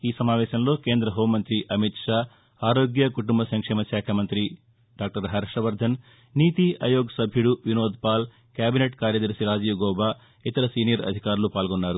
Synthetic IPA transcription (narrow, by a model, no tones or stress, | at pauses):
iːsɐmaːʋɛːʃɐmlo̞ːkeːnd̪ɾɐɦoːmːɐnt̪ɾiʔɐmit̪ʂaː | aːɾo̞ːɡjɐkuʈumbɐsɐŋkʂɛːmɐʃaːkʰɐmɐnt̪ɾi | ɖaːk̚ʈɐɾɦaːɾiʂɾɐʋɐɾd̪ʱɐn | niːt̪iʔɐ̰joːɡɐsɐbʱjuɽuʋinoːd̪paːl | kjaːbineʈkaːɾjɐd̪ɐɾsiɾaːd͡ʒijʋuɡɔːbaː | it̪ɐɾɐsiːnijɐɾɐ̰d̪ʱikaːɾulupaːlɡonːaːɾu